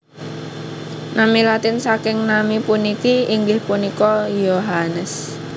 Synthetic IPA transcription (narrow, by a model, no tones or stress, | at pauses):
namilat̪ɪnsakɪŋnamipunikiiŋɡɪhpunikɔjoɦanəs